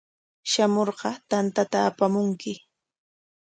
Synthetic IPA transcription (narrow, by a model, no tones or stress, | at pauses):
ʃamoɾɢɑt̪ant̪at̪aːpamʊŋkɪ